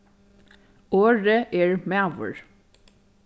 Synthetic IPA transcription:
oːɹəʔeːɹmæʋə̰ɹ

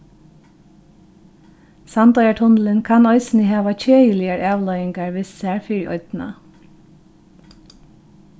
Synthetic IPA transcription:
sɑnd̪ɑʏəʈʰʊnl̩ənkʰɑnɔʏsn̩ɪhɑːʋɑc͡çʰøːjɪlɪəɹʔɑːʋlœʏɪŋɡɑɹʋɪssæːɹfiɹɔ̰ʏd̪̥n̩ɑ̰

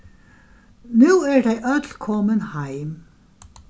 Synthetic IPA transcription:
nʉːæɹd̪æɪʔœd̪lkʰɔmənhɑɪm

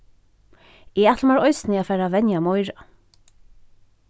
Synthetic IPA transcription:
ɛat̪ʰlmaɾɔjsnɪafɛːɾavɛnjamɔjɾa

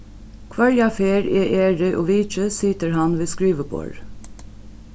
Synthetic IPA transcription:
kʰʋɑɹjɑfeːɹeːʔeːɹɪʔoːʋiːc͡çəsiːt̪əɹhɑnʋeːskɹiːʋəbo̰ːɹ

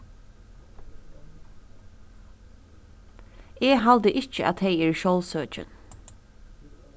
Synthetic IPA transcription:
ɛːɦald̪əʔɪt͡ʃəʔa̰t̪heɪɛːɹʃɔwlsøːt͡ʃə̰n

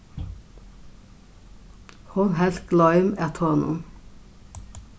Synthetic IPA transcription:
hɔnhɛlt̪ɡ̥lɑɪmæt̪ʰɑːnʊ̰n

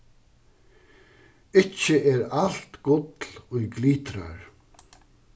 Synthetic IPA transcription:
ɪt͡ʃːəʔɛɾal̥t̪ɡʊt̪lʊjɡliːt̪ɾa̰ɹ

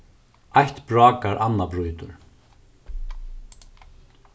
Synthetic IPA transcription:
ajht̪bɹɔːkaɾʔanːabɾujt̪ʊ̰ɾ̥

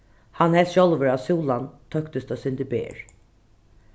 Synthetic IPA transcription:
hanhɛsʃɔlʋəɹasuːlant̪ʰœkt̪əst̪ɔsʏnd̪ɪbḛːɹ

